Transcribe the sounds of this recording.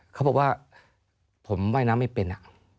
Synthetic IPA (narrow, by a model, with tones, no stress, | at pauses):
kʰa˦˥bɔː˨˩k̚waː˥˩ | pʰo˩˦mːaː˥˩jnaː˦˥mːa˥˩jpe˧nʔa̰˨˩ʔ